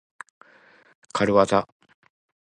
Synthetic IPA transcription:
kʰaɾɯβat̪a

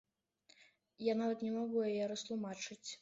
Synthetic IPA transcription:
janavɐt̪nʲɛmaɣujɛjɛɾɐst̪lˠumat͡ʂɨt͡sʲ

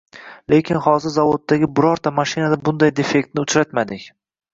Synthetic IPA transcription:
lʔe̞kʲʰɪnhɒzɪɾzavod̪ːaɡʲɪbʊɾɒɾt̪ʰamaʃɪnad̪abʊnd̪ajd̪e̞fe̞kʲt̪nɪʊt͡ʃɾat̪mad̪ɪkʲ

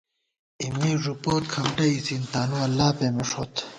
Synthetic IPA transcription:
imiːʐupoːt̪̚kʰɐmʈɐisint̪aːnuɐlːaːpeːmɐʂoːt̪

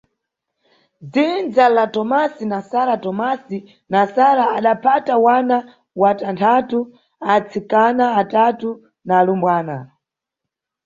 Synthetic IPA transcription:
d͡zind͡zalatɔmasinasaɾatɔmasi | nasaɾaːɗapʰatawana | watantʰatu | at͡sʰikanaːtatu | naːlumbwaːna̰

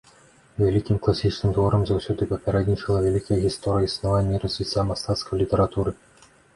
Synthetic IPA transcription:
vʲelʲikʲimklˠasʲit͡ɕnɨmt̪voɾɤ̆mzawsʲud̪ɨpopʲeɾʲed̪ʲnʲit͡ɕɘlˠəvʲelʲikəjəɣʲist̪oɾʲɪjisnɐvanʲːirəsʲvʲitʲːamɐst̪at̪skojlʲitʲeɾat̪uɾɨ

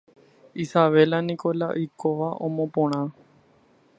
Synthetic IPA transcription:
isaʋelanikolaʔijkoʋaʔõmõpõɽ̃ã

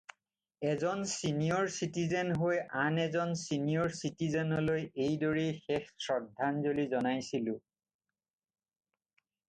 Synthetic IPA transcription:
ɛzɔnsinijɔɹsitizenɦojanɛzɔnsinijɔɹsitizɛnɔlojejdoɹijxɛxsɹɔdʱanzolizɔnajsilʊ̃

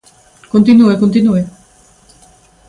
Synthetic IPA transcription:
kont̪inuekont̪inue

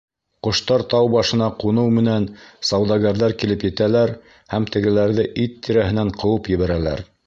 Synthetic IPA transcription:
qŏʃt̪ɑɾt̪ɑwbɑʃɤ̆nɑqunɤwmɘ̆nænsɑwd̪ɑɡɑɾðɑɾkilɘpjɘ̆t̪ælæɾ | hæmt̪ɘ̆ɡɘ̆læɾðɘʔit̪ːiɾæhɘ̆næɴqʰɤ̆wɤpjɘ̆βæɾælæ̰ɾ

